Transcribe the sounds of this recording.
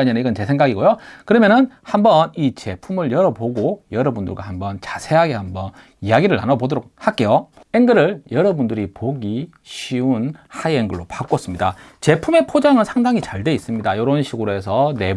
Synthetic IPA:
aɲenɯniɡʌnt͡ɕe̞sʰe̞ŋɡaɡiɡojokɯɾʌmjʌnɯnhambʌnit͡ɕe̞pʰumɯɭjʌɾʌboɡojʌɾʌbundɯ̰ɭɡwa̰hambʌnt͡ɕḁsʰe̞ɦaɡe̞hambʌn | ijaɡiɾɯɭa̰nʌbodʌɾok̚hak͈e̞joeŋɡɯɾɯɭjʌɾʌbundɯɾipoɡi | ɕʰiunhaieŋɡɯɭːopak͈oʌs͈ɯmɲidat͡ɕe̞pʰume̞pʰod͡ʑaŋɯnsʰaŋdaŋit͡ɕaɭde̞is͈ɯmɲidajoɾʌnɕʰiɡuɾoesʰʌne̞

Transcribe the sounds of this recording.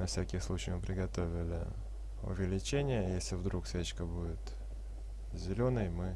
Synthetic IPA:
nɐfsʲækʲɪslˠut͡ɕɪjmɨpɾʲɪɡɐt̪o̞vʲɪlʲɪ̰ | ʊ̰vʲɪlʲɪt͡ɕenʲɪjəjesʲlʲɪvd̪ɾuksʲvʲet͡ɕkəbudʲɪt̪ | zʲɪlʲonəjmɨ

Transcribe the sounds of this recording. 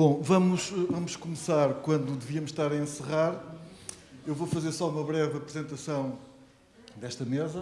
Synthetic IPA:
bõvɐmuʃvɐmuʃkumɨsaɾkwɐ̃nd̪ud̪ɨviɐmuʃːt̪aɾɐẽsɨʁaɾ | ewvofɐzeɾsɔumɐβɾɛvɐpɾɨzẽnt̪ɐsɐ̃w̃ | d̪ɛʃt̪ɐmezɐ

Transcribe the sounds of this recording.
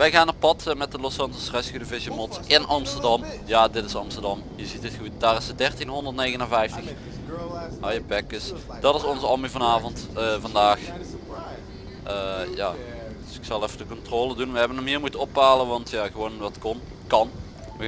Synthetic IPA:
ʋɛjɣaːnːaːɹpɑtmɛt̚dəlosɑntosrɛskydəvɪʃjəmɔtɪnʔɑmstəɹdɑmjaːdɪtɪsɑmstəɹdɑmjəzitɪtxut̚d̥aːrɪsədɛrtinɦɔndərtnejɣənənvɛjftəx | ɦɑjəpɛkəs | d̥ɑtɪsɔnzəɑlmivɑnaːvɔntəvɑndaːx | ʔəjaː | ddsɪksɑlˠɛfədəkɔntroːlədunʋəɦɛbənəmɦiːɹmutənɔpaːləʋɑntʰjaːɣəʋoːnʋɑtkɔn | kɑn | ʋə

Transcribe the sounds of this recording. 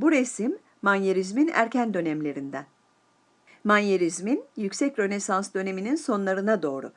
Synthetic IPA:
buɾesimː | anjeɾizminæ̰ɾcænd̪ø̞nɛmlʲe̞ɾind̪ɛ | manjeɾizminjycʲsɛcɾø̞ne̞sansd̪ø̞ne̞mininso̞nlˠaɾɯnad̪o̞ːɾṵ

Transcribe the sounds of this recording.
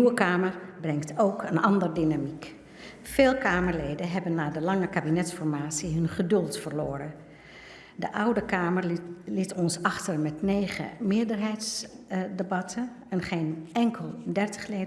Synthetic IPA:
wəkaːmərbrɛŋktʰowkʰənɑndəɹdinamik | feːlˠkaːməɹlejdənɦɛbənːaːdəlɑŋəkaːbinɛtsfɔɹmaːtsiɦɵnχədɵlˠtfəɹlʊːɾən | dəʔʌwdəkaːməɹlɪtɔnsɑχtərmɛtnejχə̰mɪːɹdərɦɛjtsdebɑtʰə | ɛnχejnɛŋkʰəlˠdɛɹtə̥χle

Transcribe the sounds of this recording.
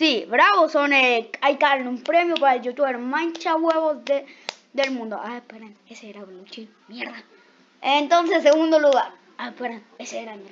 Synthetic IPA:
siβɾaβosoneajkaɾenumpɾemjopaɾd͡ʒot̪ueɾmãnt͡ʃaβweβosðe | d̪elmũnd̪oʔapeɾaneseeɾaβlut͡ʃi | mjeɾða | ent̪ons̬esːeɣũnd̪oluɣaɾ | apeɾaneseeɾameɾ

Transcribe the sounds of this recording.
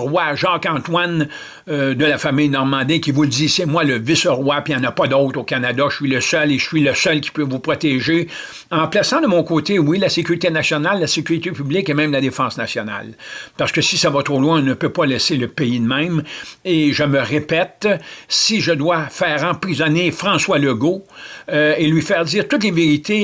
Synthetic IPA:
ʁwaʒɑːkɑ̃t̪wan | d̪əlafamɪjnɔʁmɑ̃d̪ikʲivuld͡zisemwaləvɪsʁwapijɑ̃ːnapʌd̪ɔʊt̪ʁokanad̪aʃə̥sɥiləsœleə̥sɥiləsœlkʲi̥pøvupʁɔt̪ɛʒe | ɑ̃plasɑ̃d̪əmɔ̃koːt̪ewilasekʲyʁit̪enasjɔnalːasekʲyʁit̪epyblɪkemɛ̃ɪmlad̪efɑ̃snasjɔna̰lpaʁsə̥kəsisavat̪ʁolwɛ̃ɔ̃nəpøpʌlɛseləpeid̪mɛ̃meʒəməʁepɛt̪siʒəd̪wafɛːʁɑ̃pʁizɔnefʁɑ̃swaləɡo | elɥifɛːʁdziːʁt̪ʊt̪leveʁit̪ʰe

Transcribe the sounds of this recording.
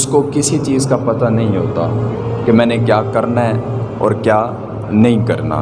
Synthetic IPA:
ʊskokɪsit͡ʃiːzkapɐt̪anɐɦĩɦoːt̪a̰ːkemɛ̃ːnekjaːkɐɾnaɦɛːɔ̰ːɾkjaː | nɐɦĩkɐɾna̰ː

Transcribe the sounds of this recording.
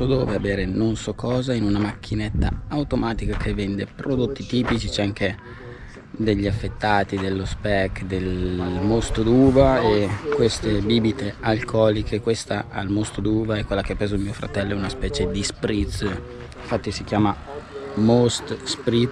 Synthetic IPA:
sɔd̪o̰ːveabeːɾenonsɔkːɔːzainunamak̟ːinet̪ːa̰awt̪omaːt̪ikakʰevːɛnd̪epɾod̪ot̪ːit̪iːpit͡ʃit͡ʃɛaŋke | d̪eʎːiafːet̪ːaːt̪id̪elːospɛkːd̪elmost̪d̪uːvaekːwest̪ebiːbit̪ealkʰɔːlikʰekwest̪aʔa̰lmost̪od̪uːvaɛkːwelːakeapːɾeːzoilmiːofɾa̰t̪ɛlːoɛunaspɛːt͡ʃed̪ispɾit̪s | iɱfat̪ːisikjaːma | most̪spɾi

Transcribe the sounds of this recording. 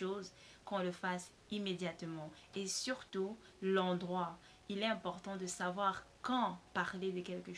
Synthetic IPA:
oz | kɔ̃ləfas | imed̪jat̪mɑ̃ | esyʁt̪u | lɑ̃d̪ʁwa | ilɛɛ̃pɔʁt̪ɑ̃d̪əsavwaʁkɑ̃paʁled̪əkʲɛlkə

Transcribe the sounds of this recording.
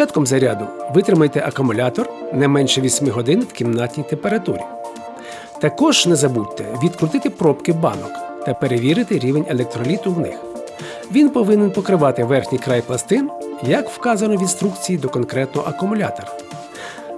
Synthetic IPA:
ɑt̪kɔmzɐɾʲad̪ʊʋɪt̪ɾɪmɐjt̪ɛʔɐkʊmʊlʲɑt̪ɔrnɛjmɛnʃɛʋʲisʲmɪɦɔd̪ɪnɪwkʲimnɑtʲnʲijt̪empeɾɐt̪ṵɾʲḭ | t̪ɐkɔʒnɛzɐbutʲt̪ːɛʋʲid̪kɾʊt̪ɪt̪ɪpɾɔpkɪbɑ̰nɔkt̪ɐpeɾeʋʲiɾɪt̪ɪɾʲiʋenʲelˠek̚t̪ɾɔlʲit̪ʊwnɪx | ʋʲinpɔʋɪnenpɔkɾɪʋɑt̪ɪʋɛrxʲnʲijkɾɑjplˠɐst̪ɪnjɐkwkɑzɐnɔʋʲinst̪ɾukt͡sʲijid̪ɔkɔnkɾɛt̪nɔ̰ʔɐkʊmʊlʲa̰t̪ɔɾɐ

